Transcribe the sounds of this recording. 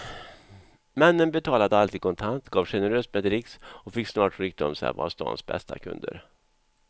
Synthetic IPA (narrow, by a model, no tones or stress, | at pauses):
mɛnːənbɛt̪ʰɑːlad̪əalt̪ʰiːd̪kʰɔnt̪ʰant̪ɡɑːvɧɛnəɾøːst̪mɛːd̪ɾɪksɔfɪksnɑːʈɾɪk̚t̪ɔmsɛ̰va̰st̪ɑ̰ːnsbɛ̰st̪a̰kʰɵ̰nd̪ə̰ɾ